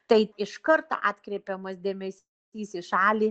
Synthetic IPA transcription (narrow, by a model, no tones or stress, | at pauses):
t̪ɐɪɪʃkɐɾt̪o̰ːʔɑːt̪ʲkɾʲɛɪpʲɛmɐsd̪ʲeːmʲɛsʲ | iːsɪʃɑːlʲiː